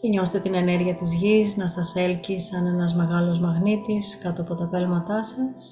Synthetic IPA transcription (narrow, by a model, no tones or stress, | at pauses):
ceɲo̞se̥t̪et̪ine̞ne̞ɾʝiɐt̪izʝisnɐsɐse̞lcisɐne̞nɐzme̞ɣɐlozmɐɣnit̪iskɐt̪oɐpo̞t̪ɐpelmɐt̪ɐsɐs